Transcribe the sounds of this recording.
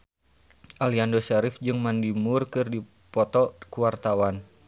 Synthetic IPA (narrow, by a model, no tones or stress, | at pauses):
ʔaliandosaɾɪfd͡ʒɨŋmandimʊrkɨrdi | pɔt̪ɔkuwart̪awan